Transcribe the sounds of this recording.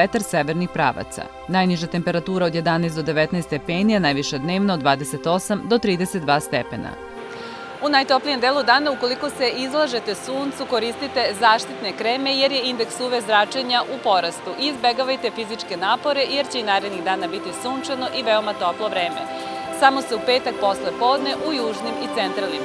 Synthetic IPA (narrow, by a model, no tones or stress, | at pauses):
et̪aɾseʋeɾnixpɾa̰ːʋa̰t̪sa̰ | najniʒat̪e̞mpe̞ɾat̪uːɾaod̪je̞d̪anajstd̪od̪e̞ʋet̪najst̪epeːnianajʋiʃed̪ne̞ːʋnad̪ʋaːd̪ese̞t̪o̞samd̪o̞t̪ɾiːd̪eset̪̚d̪ʋaːst̪epḛna̰ | unajt̪o̞plije̞md̪eːlˠud̪aːnauko̞liko̞se̞ʔizlˠaʒe̞t̪e̞suːnt̪suko̞ɾist̪it̪e̞zaːʃt̪it̪ne̞kɾeme̞je̞ɾjeind̪e̞ksuːʋezɾat͡ʃeɲaʔupo̞ɾast̪uʔiizbe̞ɡaʋajt̪e̞fizit͡ʂke̞naːpo̞ɾe̞je̞ɾt͡ɕeinaːɾed̪niɣd̪aːnabit̪isuːnt͡ʃano̞ʔiʋe̞omat̪o̞plˠo̞ʋɾe̞ːme | samo̞se̞upe̞ːt̪ak̚po̞sle̞po̞ːd̪ne̞ʔujuːʒnimit̪se̞nt̪ɾalnim